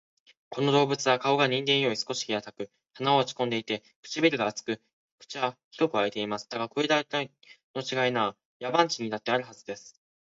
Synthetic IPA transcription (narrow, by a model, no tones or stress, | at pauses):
ko̞no̞d̪o̞ːbɯ̟t͡sɨβakao̞ɡaɲ̟ĩnd̪ẽɰ̃jo̞ːisɨ̥ko̞ɕi̥kʲiat̪akɯ̟ | hanaoːt͡ɕi̥kõ̞nd̪e̞it̪e̞ | kɯ̟̥t͡ɕibʲiɾɯ̟ɡaːt͡sɨ̥kɯ̟ | kɯ̟̥t͡ɕiβaçi̥ɾo̞kɯ̟ait̪e̞imasɨ̥d̪aɡakoid̪ait̪a | no̞t͡ɕiɡainaː | jabãɲ̟t͡ɕiɲ̟inat̪ːe̞aɾɯ̟ɦazɨd̪e̞sɨ̥